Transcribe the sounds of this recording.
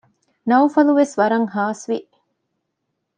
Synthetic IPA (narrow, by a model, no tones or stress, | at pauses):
nɐwfɐluʋesʋɐɾɐŋɦaːsʋiʔ